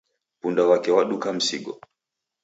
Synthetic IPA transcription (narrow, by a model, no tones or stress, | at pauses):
pundawakɛwaɗukam̩siɡɔ̰